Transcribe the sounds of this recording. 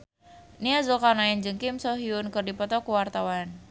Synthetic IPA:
niazukanaɛnd͡ʒəŋkɪmsɔɦiʊnkərdipɔt̪ɔkuwart̪awan

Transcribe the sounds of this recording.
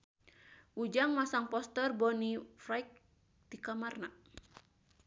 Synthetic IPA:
ʔud͡ʒaŋmasaŋpɔst̪ɛrbɔnifɾajk̚ | d̪̥ikamarna

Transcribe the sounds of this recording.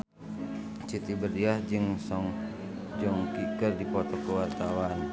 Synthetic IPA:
t͡ʃit̪ibərdiahd͡ʒɨŋsɔŋ | d͡ʒɔŋkikərdikɔt̪ɔkəwart̪awan

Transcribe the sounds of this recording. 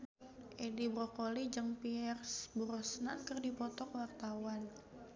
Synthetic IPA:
ʔedibɾokolid͡ʒəŋpiɛrsbuɾɔsnakərdipɔt̪ɔkwart̪awan

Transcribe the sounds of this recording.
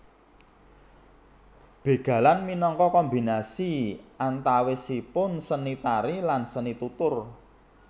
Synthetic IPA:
b̥e̤ɡ̥ä̤lanminɔŋkɔkɔmbi̤nasiʔant̪awesipʊnsənit̪aɾilansənit̪ut̪ʊr

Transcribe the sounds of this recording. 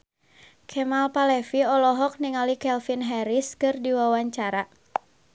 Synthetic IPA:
kʰɛmalpalɛfiɔlɔɦɔk̚niŋalikɛlfinɦɛɾiskɨrdiwawaɲt͡ʃaɾa

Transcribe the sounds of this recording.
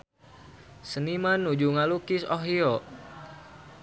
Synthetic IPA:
sənimanːud͡ʒuŋalukisoɦiɔ

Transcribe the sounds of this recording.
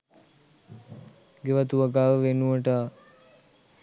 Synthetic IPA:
ɡeʋat̪uʋaɡaːʋəʋenuʋəʈə

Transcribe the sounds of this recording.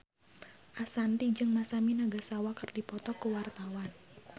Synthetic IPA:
ʔasant̪id͡ʒɨŋmasaminaɡasawakərdipɔt̪ɔkəwart̪awan

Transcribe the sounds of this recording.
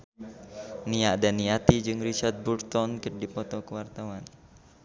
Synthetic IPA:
niadaniat̪id͡ʒɨŋrit͡ʃart̪̚burt̪ɔnkɨrdipɔt̪ɔkəwart̪awan

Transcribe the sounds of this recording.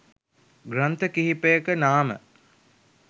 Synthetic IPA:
ɡrant̪əkiɦipəjəkənaːmə̰

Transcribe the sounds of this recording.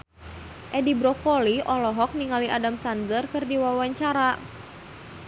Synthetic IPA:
ʔɛdibɾɔkɔliʔɔlɔɦɔk̚niŋaliʔadamsandərkɨrdiwawaɲt͡ʃaɾa

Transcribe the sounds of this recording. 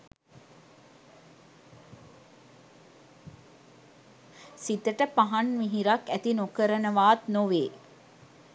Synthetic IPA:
sit̪əʈəpaɦanmiɦiɾakæt̪inokəɾənəʋaːt̪noʋeː

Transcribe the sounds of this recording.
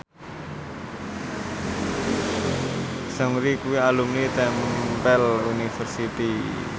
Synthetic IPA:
səŋɾikuwialumnit̪ɛmpɛlunifərsit̪i

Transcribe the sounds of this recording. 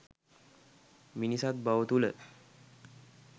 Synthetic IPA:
minisat̪̚bawət̪ulə

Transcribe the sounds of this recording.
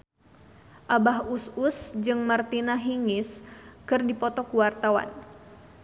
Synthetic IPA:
ʔabaɦususd͡ʒɨŋmart̪inaɦiŋɪskɨrdipɔt̪ɔkuwart̪awa̰n

